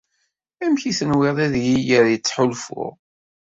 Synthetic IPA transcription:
æmçiθənwɪðˤæðjijəɾjət͡sːħʊlfʊ̰ʁ

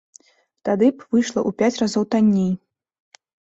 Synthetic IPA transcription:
t̪ad̪ɨpvɨjʂlˠɐʔupʲat͡sʲrazɔwt̪anʲːij

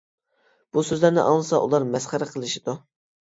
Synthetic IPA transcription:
b̥usøzlæɾnɪ̰ʔɑŋlˠɨsɑʔulˠɑɾmɛsχæɾqʰəlˠɨʃid̪u

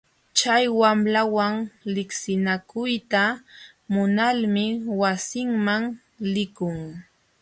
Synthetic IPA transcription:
t͡ʃajwamlawaŋlɪksɪnakʊjt̪a | mʊnalmɪwasɪŋmaŋ | lɪkʊŋ

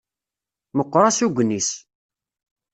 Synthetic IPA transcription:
məqːɾˤasuɡʷənːis

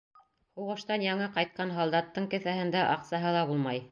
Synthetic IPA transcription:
huʁɤ̆ʃt̪ɑnjɑŋɤqɑjt̪̚qɑnɦɑlˠd̪ɑt̪ːɤɴkɘ̆θæhɘ̆nd̪æʔɑqsɑɦɤlˠɑbulˠmɑj

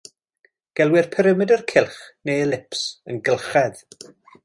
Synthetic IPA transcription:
ɡ̥ɛlˠwɪrpʰɛɾəmɨdərkʰɪlˠχnejlɪpsənɡəlˠχɛð

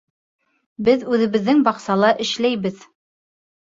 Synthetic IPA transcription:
bɘðʉðɘ̆βɘ̆ðːɘŋbɑqsɑlˠɑʔɘ̆ʃlæjbɘð

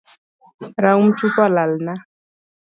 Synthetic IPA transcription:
ɾaum̩t͡ʃukɔlalna

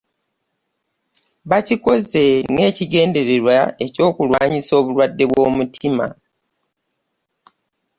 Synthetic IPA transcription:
βaciko̞ze̞ŋe̞ːciɡe̞ːnde̞ɾeɾwae̞co̞ːkulwaːɲiso̞ːβulwadːe̞βwo̞ːmutʰima̰

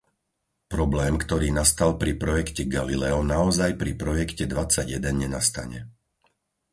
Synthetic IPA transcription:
pɾɔblɛːmkt̪ɔɾiːnast̪alpɾipɾɔjɛkcɛɡalilɛɔnaɔzajpɾipɾɔjɛkcɛd̪ʋat͡saɟjɛd̪ɛnɲɛnast̪a̰ɲɛ

